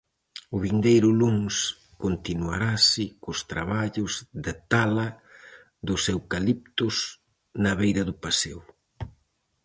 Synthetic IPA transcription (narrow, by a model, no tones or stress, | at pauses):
ʊβind̪ejɾʊluŋs | kont̪inua̰ɾasɪkʊst̪ɾa̰βaʎʊzðɪt̪alɐ | ðʊsewkalip̚t̪ʊs | nɐβejðɐðʊpasew